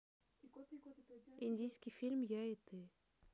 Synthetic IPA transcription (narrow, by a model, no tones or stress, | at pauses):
inʲdʲijskʲifʲilʲmjaet̪e